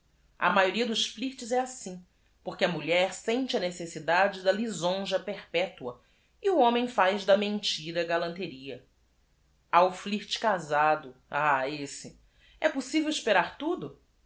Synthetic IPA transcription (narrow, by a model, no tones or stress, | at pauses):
ɐ̰majoɾiɐd̪ʊʃfliɾt͡ʃɪzɛasĩ | poɾkʲɪɐmuʎɛɾsẽnt͡ʃɪɐnesesid̪ad͡ʒɪd̪ɐlizõʒɐpehpɛt̪uɐ | iuõmẽj̃fajzd̪ɐmẽnt͡ʃiɾɐɡalɐ̃nt̪eɾiɐ | aʊfliɾt͡ʃɪ̥kazad̪ʊaesɪ | ɛposivewiʃpeɾaɾt̪ud̪ʊ